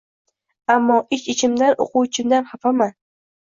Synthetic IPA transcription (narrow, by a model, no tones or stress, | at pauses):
amːɒːʔɪʃɪt͡ʃʰɪmd̪ano̰quwt͡ʃʰɪmd̪anhɑfama